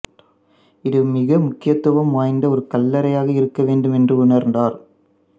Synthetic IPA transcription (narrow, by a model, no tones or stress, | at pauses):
ɪðɯmɪɣɐmʊkːɪjɐt̪ːɯʋɐmʋaːjnd̪ɐɔɾɯkɐlːɐɾɐjaːɣɐɪɾɯkːɐʋeːɳɖɯmɛndrɯʊnɐɾnd̪aːɾ